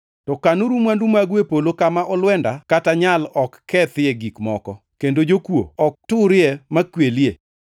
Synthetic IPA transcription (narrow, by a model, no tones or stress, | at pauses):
tɔkanuɾumwandumaɡwepolokamaʔɔlwɛndakataɲalɔkʰːɛt̪ɪeɡikmɔkɔ | kendod͡ʒokwo̰ɔk̚tʊɾɪɛmakwelie